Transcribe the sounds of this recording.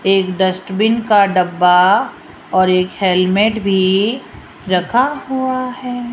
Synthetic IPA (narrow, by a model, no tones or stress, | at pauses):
eːkɖɐsʈbɪnkaɖɐbːa | ɔːɾeːkhelmeːʈbʱi | ɾɐkʰaɦuaɦɛː